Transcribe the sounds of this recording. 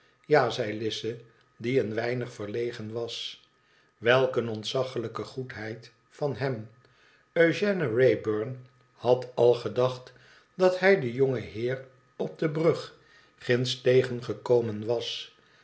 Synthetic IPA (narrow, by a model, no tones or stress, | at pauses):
jaːzɛjlɪsə | diənʋɛjnəχfəɹlejχənʋɑs | ʋɛlˠkənɔntsɑχələkəχutɦɛjt | fɑnɦɛm | øɥʒɛnərejbøɹn | hɑtɑlˠχədɑχt | dɑtɦɛjdəjɔŋəɦɪːr | ɔb̚dəbrɵχ | χɪnstejχənχəkowmənʋɑs